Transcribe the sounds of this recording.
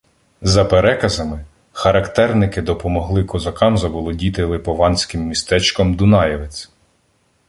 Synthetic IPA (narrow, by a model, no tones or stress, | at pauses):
zɐpeɾɛkɐzɐmɪ | xɐɾɐkt̪ɛrnɪkɪd̪ɔpɔmɔɦlˠɪkɔzɐkɑmzɐʋɔlˠɔdʲit̪ɪlˠɪpɔʋɑnʲsʲkɪmːʲist̪ɛt͡ʃkɔmd̪ʊnɑjɛʋɪt͡sʲ